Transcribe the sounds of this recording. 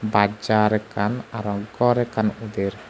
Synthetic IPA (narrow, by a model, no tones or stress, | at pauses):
bad͡ʒaɾɛkanaɾɔɡɔɾekanud̪ɪɾ